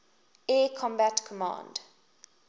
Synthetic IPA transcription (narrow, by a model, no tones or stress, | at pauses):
ekʰɔ̃mbætkʰəmã̰nd̥